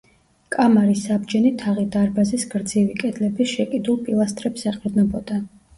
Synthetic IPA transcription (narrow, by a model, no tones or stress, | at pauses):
kʼamaɾisabd͡ʒɛnit̪ʰaʁid̪aɾbazisɡɾd̪zivikʼɛd̪lɛbiʃɛkʼid̪ulˠpʼilˠast̪ʼɾɛpsɛqʼɾd̪nɔbɔd̪̥a